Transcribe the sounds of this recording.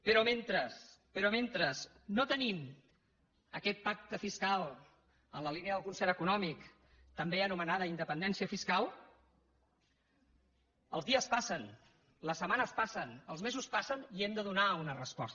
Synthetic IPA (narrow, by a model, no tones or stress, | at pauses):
pəɾɔment̪ɾəspəɾɔment̪ɾəz | not̪ənim | əkɛt̪̚pak̚t̪əfiskalˠ | ənləlineəðəlˠkunsɛɾəkunɔmik | t̪əmbeənumənaðəind̪əpənd̪ɛnsiəfiskalˠ | ə̰lˠzðiəspasən | ləsəmanəspasənəlˠzmezuspasəniɛmd̪əðunaunərəspɔst̪